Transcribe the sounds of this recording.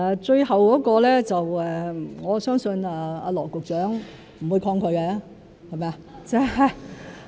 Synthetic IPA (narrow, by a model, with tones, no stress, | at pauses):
ɛ˨˧t͡ʃɵ˧ɥhɐ˨wkɔː˨˥kɔː˧lɛː˥t͡sɐ˨wɛː˨˩ŋɔː˨˧sœː˥ŋsɵ˧naː˧a̰ː˧lɔː˨˩kʊ˨k̚t͡ʃœː˨˥ŋ | m̩˨˩wuː˨˧jkʰɔː˧ŋkʰɵ˨˧ɥkɛ˧ | hɐ˨jmaː˨˧t͡sɛː˥ɐ˨